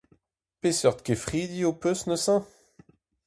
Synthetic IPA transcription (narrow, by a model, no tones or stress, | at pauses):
pesœʁt̪kefχid̪iopøsnəsɑ̃